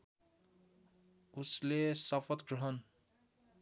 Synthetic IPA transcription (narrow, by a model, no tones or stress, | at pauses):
uslesʌpʰʌt̪ɡrʌɦʌn